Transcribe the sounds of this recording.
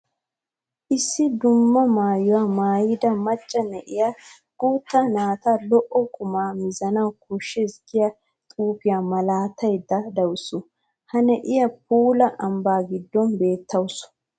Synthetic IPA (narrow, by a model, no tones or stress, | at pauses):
ʔɪsːɪd̪ʊmːɐmaːjʊwamaːjɪd̪ɐmɐt͡ʃʼːɐnɛʔɪja | ɡ̥uːt̪ːɐnaːt̪alɔʔɔkʼʊmaːmɪzɐnɐwkʊʃːɛsɡɪjɐ | t̪ʼuːpɪjamɐlaːt̪ʰːɐjd̪ːɐd̪ɐwsʊ | hɐnɛʔɪjɐp̚uːlɐʔɐmbaːɡɪd̪ːɔnbe̞ːt̪ʰːɐwsʊ̥